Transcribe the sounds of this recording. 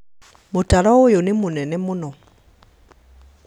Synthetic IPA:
motaɾɔojonemonɛnɛmonɔ

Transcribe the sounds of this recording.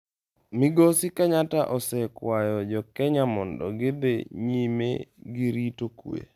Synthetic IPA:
mɪɡosikaɲataʔɔsɛkwajɔd͡ʒɔkɛɲamɔndɔ̰ɡɪbeɲimḛɡɪɾitokwḛ

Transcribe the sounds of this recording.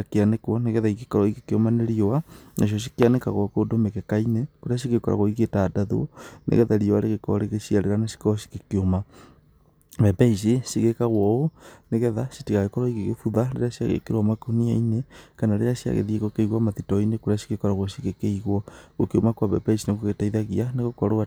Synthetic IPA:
akeanekwɔneɣɛðaiɣekɔɾɔiɣekeomaneɾiowanaʃ̬jɔʃ̬ikeaneka̰ɣwɔkodomekɛkainekoɾeaʃ̬iɣekɔɾa̰ɣoiɣetaːdaðo̰nʔḛɣɛðaɾiowaɾeɣekɔɾeɣeʃiaɾeɾanasi̥kɔɾɔʃi̥kekeoma | βɛpɛis̬isiɣekaɣwɔoneɣɛðaʃitiɣaɣekɔɾɔiɣeɣefuðaɾḛɾaʃia̰ɣḛkeɾwamakoniainekanaɾeɾaʃia̰ɣḛðieɣokeiɣwamaðitɔinekoɾeaʃi̥ɣekɔɾaɣoʃiɣekeiɣwɔɣokeomakwaβɛ̰paisinaɣoɣetaiðaɣianeɣokɔɾoa

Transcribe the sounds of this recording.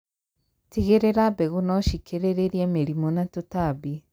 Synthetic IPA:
tiɣeɾeɾabɛɣunɔʃikʰeɾeɾeɾiameɾimonatotaβi

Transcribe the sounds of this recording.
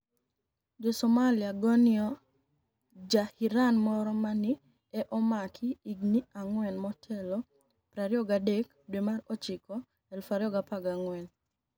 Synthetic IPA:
d͡ʒɔsɔmalɪaɡɔnɪɔ | d͡ʒahiɾanmɔɾɔmanɪ | ɛʔɔmakʰɪiɡniaŋwɛnmɔtʰɛlɔ | pɾaɾjɔɡadek | dwemarɔt͡ʃɪkɔ | ɛlfaɾjɔɡapaɡaŋwɛn

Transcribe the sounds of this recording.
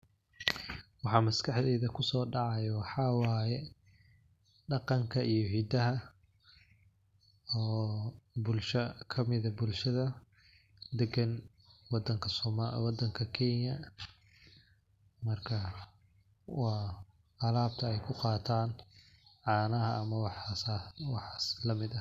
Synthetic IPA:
wɑħɑːmɐskʰɑħd̪ɛːðɐkʰʊsɔːɖɑʕɑjɐwɑħɑːwɑːjɛ | ɖɑqɑŋkʰɐʔijɞɦid̪ɐɦɐ | ɔːbʊlʃɐkʰɐmɪðɐbʊlʃɐðɐ | d̪ɛɡɐn | wɑd̪ɐŋkʰɐsɔmwɑd̪ːɐŋkʰɐkʰɛnjɐ | mɐrkʰɐ | wɑː | ʕɑlaːb̚t̪ʰɐɛjkʰʊqɑːt̪ʰaːn | ʕɑːnɐɦɐɐmɐwɑswɑħɑːslɐmɪd̪ɐ

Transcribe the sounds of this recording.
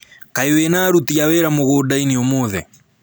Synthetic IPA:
kaiwenaːɾutiawɛɾamoɣodainiomoðɛ̰

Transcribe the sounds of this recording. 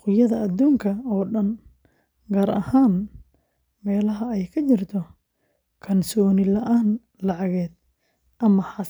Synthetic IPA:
qʊjɐðɐʔːd̪uːŋkʰɐɔːɖɐn | ɡaːɾɐ̰haːn | mɛːlɐɦɐɛjkʰɐt͡ʃɪrt̪ʰɔ | kʰɐnsɔːnɪlɐʔaːn | lɑʕɑɣɛːd̪̚ | ʔɐmɐħɑs

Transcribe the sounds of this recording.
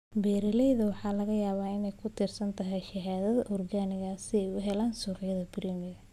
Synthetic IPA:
bɛːɾɪlɛjðɐwɑħɑːlɐɣɐjaːβaːɪnɛjkʰʊt̪ʰɪrsɐnt̪ʰɐɦɛjʃɐɦaːðɐðɐʔʊrɡaːnɪɣɐsɪɛjʊɦɛlaːnsuːrɪjɐðɐbɪɾimɪɣɐ

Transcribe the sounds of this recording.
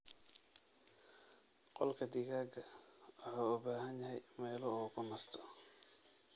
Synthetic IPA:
qɔlkʰɐd̪iɣaːɡɐwʊħaːʊbaːɦɐnjɐɦɛjmɛːlɔɔːkʰʊnɐst̪ʰɔ̥

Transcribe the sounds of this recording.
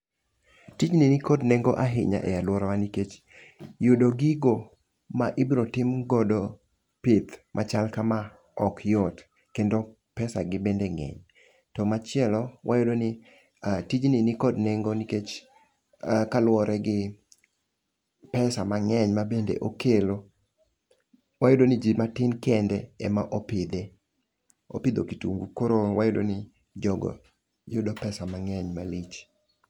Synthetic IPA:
tid͡ʒninɪkodneŋɡoʔaɦɪ̰ɲa̰ʔɛ̰jalwɔɾawaniket͡ʃ | jodoɡɪɡo | maʔibɾotɪmɡɔdo | pɪt̪mʔat͡ʃalkama | ɔkjɔt | kendo | pɛsa̰ɡɪbendeŋɛ̰ɲ | tɔmat͡ʃɪɛlɔwʔajodonɪ | atid͡ʒninɪkodneŋɡoniket͡ʃ | kalwɔɾɛɡɪ | pɛsamaŋɛɲmabendḛʔokelo | wajodonɪd͡ʒimatɪnkɛndɛɛmaʔopɪd̪e | o̰pɪd̪okitṵŋɡukoɾowajodo̰nɪ | d͡ʒɔɡɔ̰ | jʊdɔpɛsamaŋɛɲmalit͡ʃ

